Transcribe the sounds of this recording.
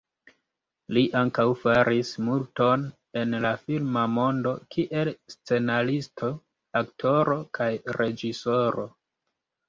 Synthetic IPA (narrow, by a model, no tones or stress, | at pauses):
liʔaŋkawfaɾʔismulto̞n | e̞nlafilmamo̞ndo̞kʰiʔe̞lst͡se̞nalistʰo̞ | aktʰo̞ɾo̞kʰajɾʔe̞d͡ʒiso̞ɾo̞